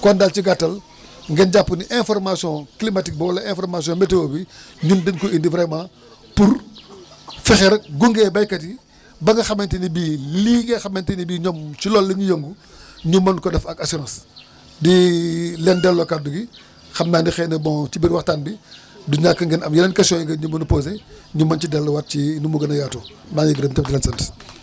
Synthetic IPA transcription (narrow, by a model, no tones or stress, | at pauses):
kɔndalt͡ʃiɡatːɐl | ŋɡɛnɟapːuniʔɛ̃fɔɾmasijɔ̃klimatik̚bɔwɐlɐɛ̃fɔrmasijɔ̃ːmetewobiɲundɐŋkɔindivɾɛmãː | puɾ | fɛxɛɾɐɡuŋɡɛbɐjkɐti | bɐŋɡɐxɐmɐntinibiliɡɛxɐmɐntinibiɲɔmt͡ʃilɔlːiŋijoŋɡu | ɲumːɐnkɔdɛfɐkasiɾãːs | dilɛndɛlːokaduɡi | xɐmnaːndixɛnɐbɔŋt͡ʃibiɾwaxtaːnbi | duɲaːkɐŋɡɛnɐmjɐnɐnkɐsiɔ̃jiɡɐɲumɐnupoːs̬eɲumːɐnt͡ʃidɛlːowat̚t͡ʃinumuɡɐnɐjaːtoː | maŋiɡɾəmtɛp̚dilɛnsɐnt